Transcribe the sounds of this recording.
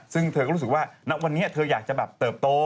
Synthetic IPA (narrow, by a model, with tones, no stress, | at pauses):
sɨ˧ŋt̪ʰkːskwaː˧na˨˦˥wkwa˧nːi˦˥ə˦˥t̪ʰɨ˧əzaː˨˩t͡ɕɔ˧ɓaː˨˩p̚t̪əː˨˩p̚t̪o˧